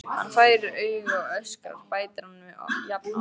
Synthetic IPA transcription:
ha̰nːfaːjɾœɥɣɔœska̰ɾpaːjt̪aɾhanmɛɔ̰jap̪

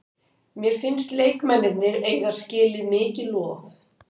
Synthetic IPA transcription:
mjɛɾ̥fɪnst̪leːjkmɛnːɪt̪nɪɾeːjɣaɾ̥scɪːlɪðmɪːcɪlɔːθ

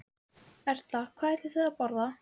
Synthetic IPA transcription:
ɛr̥t̪lakʰvaːɛɾt̪ɪθɛðapɔɾða

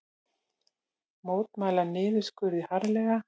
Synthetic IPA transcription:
moːwt̪maːjlanɪːðɪskʏɾðihaɾlɛːɣa

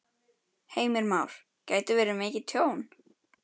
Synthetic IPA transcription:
heːjmɪɾmaːwɾ̥ | caːjt̪ʏvɛːɾɪmeːcɪt̪ʰjoːwn

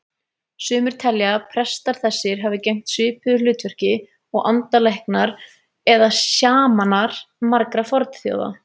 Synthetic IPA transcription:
sʏːmʏɾ̥t̪ʰɛljapʰɾɛst̪aɾ̥θɛsːɪɾ̥ɦavɪcejm̥t̪sɪːpʏʏlʏːt̪vœr̥cɪ | ɔɣʔant̪alehknaɾ | ɛðasjaːmanaɾ̥maɾkɾafɔɾt̪θjo̰wða̰

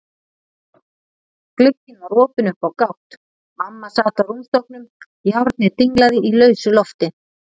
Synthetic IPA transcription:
klʏcːɪnvarɔːpɪnʏhpawkawht̪ | mamːasaːt̪awrumst̪ɔhk̚nʏm | jawɾt̪̚nɪt̪iŋklaðɪʔilœːɥsʏlɔft̪ɪ

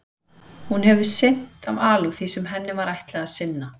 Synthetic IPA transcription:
hunɦɛvɪ̥sɪn̥t̪avaːluθisɛmɦɛnːɪvaɾajht̪lɛɣasɪnːa

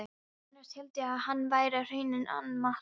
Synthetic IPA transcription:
nast̪hɛlt̪ɪaðhanːvaːjɾar̥ejnɪnʔa̰nmah

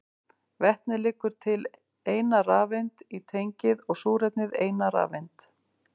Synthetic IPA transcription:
vɛht̪nɪlɪːkːʏɾ̥t̪ʰɪl | eːjnaraːvejnt̪it̪ʰejɲcɪðɔɣsuːɾɛt̪nʏðeːjnaɾa̰ːvejnt̪

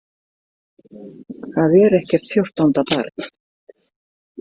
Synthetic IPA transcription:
θaðɛɾɛhcɛr̥t̪fjowr̥t̪awnt̪apa̰ɾk

